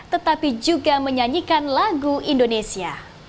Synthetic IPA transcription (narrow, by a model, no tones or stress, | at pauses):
t̪ət̪apid͡ʒuɡaməɲaɲikanlaɡuʔindonesia̰